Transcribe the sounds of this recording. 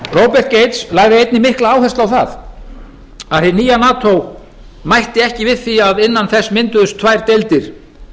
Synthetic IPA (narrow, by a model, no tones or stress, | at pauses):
rowpɛr̥t̪̚ceːjt̪slaːɣðɪejt̪nɪmɪhklaaːwhɛst̪lawθa̰ð | aðhɪniːjanaːt̪ʰow | majht̪ɪɛhcɪvɪðθiaðɪnːanθɛsːmɪnt̪ʏðʏst̪ʰvajɾ̥t̪ejlt̪ɪɾ̥